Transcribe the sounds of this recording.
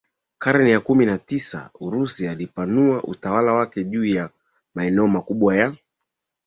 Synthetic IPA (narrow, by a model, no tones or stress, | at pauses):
kaɾɛnɛjakuminatisa̰uɾusialipanuaʔṵtawalawakɛʄuːja | maɛnɛɔmakuɓwaja